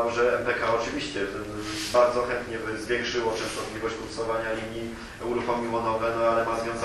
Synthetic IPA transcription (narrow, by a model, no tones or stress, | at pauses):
wʐɛɛmpɛkaɔt͡ʂɘvʲiɕt͡ɕɛɛ | baɾd̪zɔxɛnt̪ɲɛvzvʲjɛŋkʂɘwɔt͡ʂɛ̃snɔt̪lʲivɔɕt͡ɕpusɔvaɲalʲiɲji | uɾuxɔmʲiwɔnɔvɛnɔalɛmazvʲjɔ̃w̃z